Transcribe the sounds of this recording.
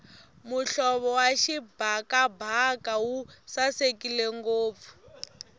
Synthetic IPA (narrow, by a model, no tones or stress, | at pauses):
muɬɔβɔwaʃibʱakabʱakawusasekileŋɡoːp̪fu̥